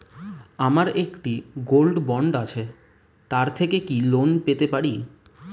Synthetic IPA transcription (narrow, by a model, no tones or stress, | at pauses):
amaɾekʈiɡolɖbɔɳɖat͡ɕʰe | t̪aɾt̪ʰekekilonpet̪epaɾi